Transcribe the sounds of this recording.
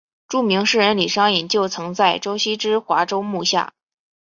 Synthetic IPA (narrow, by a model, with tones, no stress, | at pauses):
ʈ͡ʂu˥˩mi˧˥ŋʂɻ̩˥˩ɻə˧˥nli˨˩ʂɑ˥ŋi˨˩nt͡ɕjo˥˩ʊt͡sʰɤ˧˥ŋt͡sa˥˩ɪʈ͡ʂo˥ʊɕi˥ʈ͡ʂɻ̩˥xwa˧˥ʈ͡ʂo˥ʊmu˥˧ɕja̰˥˩